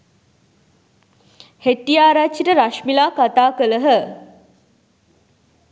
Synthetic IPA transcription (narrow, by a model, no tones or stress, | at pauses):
heʈːijaːɾat͡ʃːiʈəɾaʃmilaːkat̪aːkələɦə